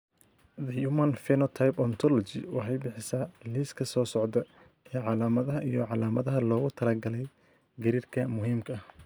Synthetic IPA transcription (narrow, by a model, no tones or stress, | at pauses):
ðɐjumɐnfɛnɔt̪ʰajpɔnt̪ʰɔlɔt͡ʃɪ̰wɑħɑjbɪħɪsɐliːskʰɐsɔːsɔʕd̪ɐ | ɛːʕɑlaːmɐðɐɦɐʔijɔʕɑlaːmɐðɐɦɐlɔːɣʊt̪ʰɐlɐɡɐlɛj | ɡɐɾiːrkʰɐmʊɦiːmkʰɐɐh